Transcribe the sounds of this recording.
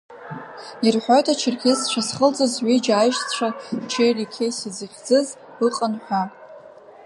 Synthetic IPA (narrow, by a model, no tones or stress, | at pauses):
irħʷojtʰat͡ʃʰɪrkʲʰest͡ʃʷʰasχəlt͡sʼozʕʷid͡ʒajʃt͡st͡ɕʷʰat͡ʃʰejrikʲʰejsizɨχʲd͡zɨz | ɨqʼənħʷᶣa